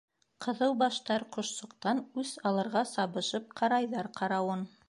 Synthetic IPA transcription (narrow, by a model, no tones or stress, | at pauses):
qʰɤ̆ðɤwbɑʃt̪ɑɾqŏʃsŏqt̪ɑnʉzɑlˠɤ̆ɾʁɑsɑβɤ̆ʃɤp̚qʰɑɾɑjðɑɾqʰɑɾɑwɤn